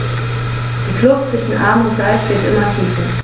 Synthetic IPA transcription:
d̥iːkʰlʊftt͡sv̥ɪʃn̩ʔa̰ɐmʊntɡ̥laɪçv̥ɪɐtʔɪmɐtʰiːfə

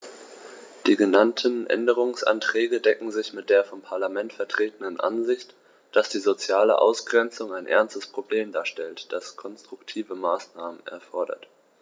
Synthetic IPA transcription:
d̥iːɡənantʰənʔɛ̰ndəʁ̞ʊŋsʔa̰ntʁ̥ɛːɡədɛkŋ̩zɪçmɪt̚d̥eːɐfɔmpʰaɐlamɛntfɛɐtʁ̥eːtənənʔa̰nzɪçt | d̥asd̥iːzot͡sjaːlə̰ʔa̰ʊsɡ̥ʁɛnt͡sʊŋaɪnʔɛ̰ɐnstəspʁ̥obleːmdaːʃtɛltd̥askʰɔnstʁ̥ʊktʰiːvəmaːsnaːmənɛ̰ɐfɔɐdɐ̰t

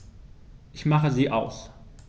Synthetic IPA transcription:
ʔɪçmaχəziːʔaʊs

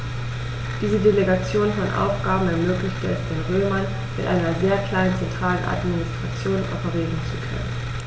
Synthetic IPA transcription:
d̥iːzədeleɡat͡sjoːnfɔnʔa̰ʊfɡ̥aːbm̩ɛɐmøːklɪçtəɛsd̥eːnʁøːman | mɪtʔa̰ɪnɐzeːɐkʰl̥aɪnənt͡sɛntʁ̥aːlənʔa̰tminɪstʁ̥at͡sjoːnʔa̰ʊfɐʁeːdn̩t͡su̥kʰœ̰nə̰n

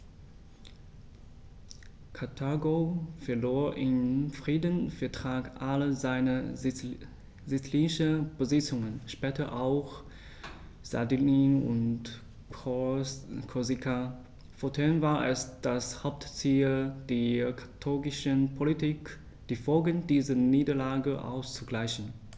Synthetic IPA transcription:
kʰatʰaɡofɛɐloːɐʔɪmfʁ̥iːdənfɛɐtʁ̥aːkʔaləzaɪnə | zit͡sliːnɪʃəb̥əzɪt͡sʊŋənʃpɛːtɐʔaʊx | z̥a̰diniʊ̰nt | kʰɔzikʰa | fotʰɛnvaːɐʔɛsd̥ashaʊp̚tt͡siːld̥eːkʰḁtʰɔɡɪʃənpʰolitʰiːk | d̥iːfɔlɡənd̥iːzəniːdɐlaːɡəʔa̰ʊst͡suɡlaɪçn̩

